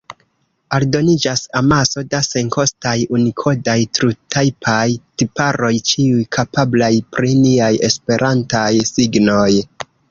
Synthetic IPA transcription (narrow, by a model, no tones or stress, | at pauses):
aldo̞nid͡ʒasamaso̞dase̞ŋko̞stajunikʰo̞dajtɾutʰajpʰajtipaɾo̞jt͡ʃiujkʰapablajpɾiniaje̞spe̞ɾʔantajsiɡno̞j